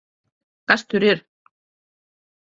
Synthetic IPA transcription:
kast̪ʏɾɪɾ̥

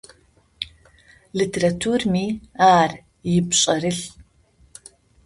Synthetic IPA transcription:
litʰeɾatʰurmiːaːr | jɪpɕʼɐɾɨɬ

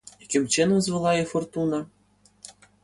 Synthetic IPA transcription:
kʲɘ̆mʲt͡ɕen̆zvɤ̆lˠɑjefort̪unɑ

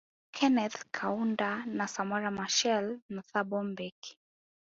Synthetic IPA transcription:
kʰɛnɛθkʰaundanasamaɾamaʃɛlnuθabɔmbɛki̥

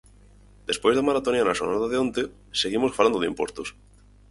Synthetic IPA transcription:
d̪̥espojzðamaɾat̪onianaʃonaðaðeont̪e | seɣ̞imosfaland̪oimpwo̞̰st̪os

